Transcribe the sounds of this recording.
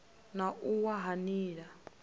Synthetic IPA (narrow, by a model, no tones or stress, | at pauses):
naʔuwaɦaniːɺa